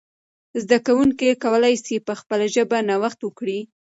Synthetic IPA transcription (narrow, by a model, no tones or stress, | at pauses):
zd̪akawuŋkikawəlajsipəxpəlaʒəbanawaxt̪wəkɽi